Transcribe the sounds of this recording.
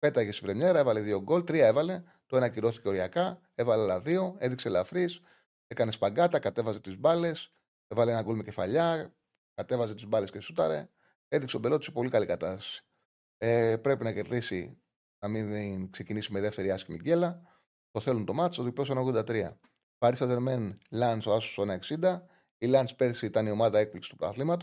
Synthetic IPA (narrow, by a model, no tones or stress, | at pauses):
pe̞t̪ɐeçesivɾemɲe̞ɾɐevɐleðio̞ɡo̞lt̪ɾiɐe̞vɐle̞ | t̪oe̞nɐciɾo̞θi̥ce̞o̞ɾiɐkɐ | e̞vɐlelɐðio̞e̞ðikselɐfɾis | ekɐnespɐɡɐt̪ɐkɐt̪e̞vɐze̞t̪izbɐle̞s | e̞vɐleenɐɡulmice̞fɐʎɐ | kɐt̪e̞vɐzet̪izbɐle̞sce̞sut̪ɐ̰ɾe̞̰ | e̞ðikset̪obe̞lo̞t̪i̥sepo̞likɐlikɐt̪ɐst̪ɐ̥si̥ | epɾe̞pinɐce̞ɾðisḭ | nɐminkse̞cinisimeðeft̪e̞ɾiɐscimḭɟe̞lɐ | t̪o̞θe̞lunt̪o̞mɐt̪istoðiples̬enɐoɣðod̪ɐt̪ɾiɐ̰ | pɐɾisɐðeɾme̞nlɐnsoɐso̥sonɐe̞ksind̪ɐ | ilɐnspe̞ɾθsiit̪ɐnio̞mɐðɐe̞k̚pliksi̥st̪pɾɐ̰θlimɐt̪o̥